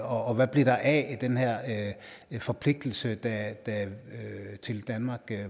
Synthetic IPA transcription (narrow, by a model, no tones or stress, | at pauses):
ɒːʋæb̥liɐd̥ɑ̈ʔɛd̥enɦɛɐ̰ | fɒ̽pʰle̝ɡ̥̚d̥l̩səd̥æd̥æ | t͡sʰe̝ld̥ænmɑ̈ːɡ̥